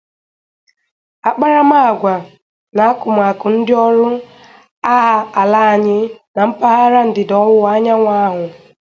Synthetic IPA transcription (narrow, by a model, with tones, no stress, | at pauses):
a˦k͡pa˦ɾa˦ma˦a˨ɡʷa˨ | na˨a˦kʊ˨m˨a˨kʊ˨n̩˦dɪ˦ɔ˦lʊ˦ | a˦a˦a˨la˦a˨ɲɪ˦na˨m̩˦pa˦ɦa˦ɾa˦n̩˨dɪ˨dɔ˨wʊ˦a˦ɲa˦ŋʷa˦a˦ɦʊ˨